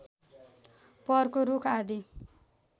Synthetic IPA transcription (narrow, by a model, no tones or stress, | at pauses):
pʌrkoɾukʰad̪i